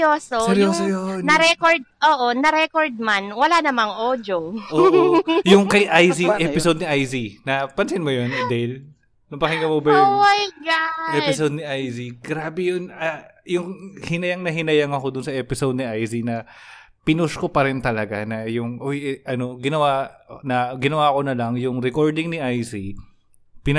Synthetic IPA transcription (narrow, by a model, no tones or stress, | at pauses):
joːsosɛɾjoːsojonnɐɾɛkoɹd̪̚ʔoːʔonɐɾɛkoɹd̪̚manwɐlanɐmaŋʔoːd͡ʒoʔoːʔojʊŋkɐjʔajsiʔɛpɪsod̪̚nɪʔajzinɐpɐnsɪnmojond̪ɛl | nʊmpɐkɪŋɡɐmobɐjomajɡaɛpɪsod̪̚nɪʔajziɡ̥ɾaːbɛjonɐ | jʊŋhɪnɐjaŋnɐɦɪnɐjaŋɐko̞d̪ʊnsɐʔɛːpɪsowd̪̚nɪʔajsinɐ | pɪnoskopɐɾɪnt̪ɐlɐɡanɐjʊŋʔojʔɐno̞ɡɪnɐwanɐɡɪnɐwaːko̞nɐlɐŋjʊŋɾɛkoɹd̪ɪŋnɪʔajsi | pɪn